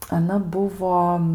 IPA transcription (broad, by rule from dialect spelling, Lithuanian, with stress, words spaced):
ɐˈnɐ ˈbʊʋoː